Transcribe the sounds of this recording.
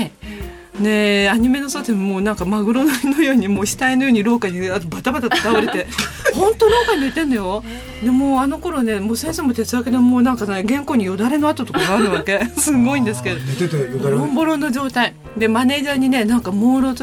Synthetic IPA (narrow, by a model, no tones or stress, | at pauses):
ne̞aɲ̟ime̞no̞sot̪emomoːnãŋkamaɡɯ̟ɾo̞nono̞jo̞ːɲ̟imo̞ːɕi̥t̪aino̞jo̞ːɲ̟iɾo̞ːkaɲiat̪obat̪abat̪at̪o̥t̪aɯɾe̞t̪e̞hõ̞nt̪oɾo̞ːkaɲ̟id̪et̪ẽ̞nːojo̞ | d̪e̞moːano̞ko̞ɾo̞ne̞moːsẽ̞ɰ̃somot̪e̞t͡sɨaked̪emoːnãŋkaɡẽ̞ŋko̞ːɲ̟ijo̞d̪aɾe̞no̞at̪o̞t̪o̞kaɡaːɾɯ̟βake̞sɨɡo̞ĩnd̪esɨ̥ke̞d̪oɾõmbo̞ɾõ̞nːo̞d͡ʑo̞ːt̪ai | d̪e̞mane̞ːʑaːɲ̟ine̞nãŋkamoːɾo̞t̪